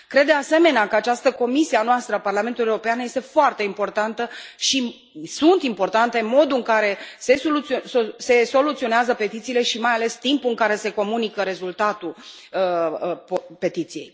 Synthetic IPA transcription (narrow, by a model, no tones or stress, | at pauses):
kɾe̞d̪̚d̪ease̞me̞neakəat͡ʃast̪əko̞misianoast̪ɾəaparlame̞nt̪ulujeorɾo̞peanəje̞st̪e̞foart̪e̞impo̞rt̪ant̪əʃi | sunt̪impo̞rt̪ant̪e̞mo̞d̪uɨŋkaɾe̞se̞soluosose̞so̞lut̪sio̞neazəpe̞t̪it̪siːle̞ʃimajale̞st̪impuɨŋkaɾe̞se̞ko̞munikəɾe̞zult̪at̪u | əppe̞t̪it̪sijej